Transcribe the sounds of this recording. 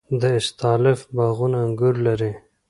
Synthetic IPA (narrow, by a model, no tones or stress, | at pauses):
d̪əɪst̪ɑlɪfbaɣunaŋɡʊɾlaɾi